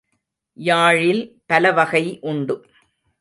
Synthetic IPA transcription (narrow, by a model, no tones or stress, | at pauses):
jaːɻɪlpɐlɐʋɐɣɐɪʔʊɳɖɯ